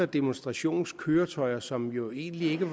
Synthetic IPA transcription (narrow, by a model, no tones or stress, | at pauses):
ɐd̥e̝monsd̥ʁɑ̈ɕo̝̰ːnskʰøːɐt͡sʰɒ̽ɪɐsɒ̽mjo̝e̝̰ːnlie̝ɡ̥əʋ